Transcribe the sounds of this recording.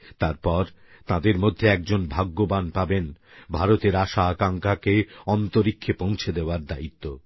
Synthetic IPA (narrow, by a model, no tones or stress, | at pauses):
t̪aɾpɔɾ | t̪ãd̪eɾmod̪ʱːeɛk̚d͡ʑonbʱaɡːobanpaben | bʱaɾot̪eɾaʃaakaŋkʰakeɔnt̪oɾikʰːepõw̃t͡ɕʰed̪eoaɾd̪ait̪ːo